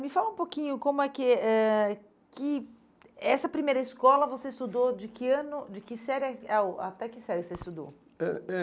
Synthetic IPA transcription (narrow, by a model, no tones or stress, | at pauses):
mɪfalɐũpokĩɲʊkõmʊɛkɪɛ | kɪ | ɛsɐpɾimejɾɐɪskɔlɐvoseist̪ud̪od͡ʒɪkɪɐ̃nʊd͡ʒɪkɪsɛɾɛaa̰t̪ɛkɪsɛɾʊseɪst̪ud̪o̰ | ɛɛ